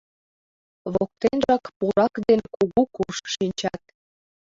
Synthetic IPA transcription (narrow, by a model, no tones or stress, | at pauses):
βok̚t̪enʒɑkpuɾɑkd̪enkuɣukuʃʃinʲt͡ɕɑt̪̚